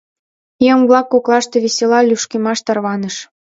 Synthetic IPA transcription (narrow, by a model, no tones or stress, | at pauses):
jəmblɑkːoklɑʃt̪ĕβeselɑlʲyʃkemɑʃt̪ɑrβɑnəʃ